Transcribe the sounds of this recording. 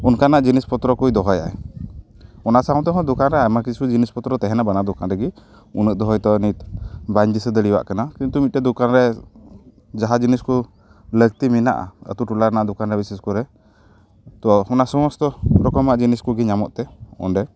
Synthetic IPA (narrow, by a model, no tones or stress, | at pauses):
unkanaʔd͡ʒinispɔt̪ɾɔkujd̪ɔɦɔja̰ɛ | ɔnaʔsaw̃t̪ɔɦɔ̃d̪ukanɾɛajmakisud͡ʒinispɔt̪ɾɔt̪ɛɦɛnabanad̪ukanɾɛɡi | unəʔ̚d̪ɔɦɔjt̪ɔnit̪baɲd͡ʒisəd̪əɽiwa̰ʔkanakint̪umit̪̚tɛd̪ukanɾɛ | d͡ʒaɦad͡ʒinisku | ləɡt̪imina̰ʔa̰ə̰t̪uʈulaɾnaʔd̪ɔkanɾɛbisɛskɔɾɛ | t̪ɔɔnaʔsɔmɔst̪ɔpɾɔkɔmaʔd͡ʒiniskuɡiɲamɔʔt̪ɛɔ̰nɖɛ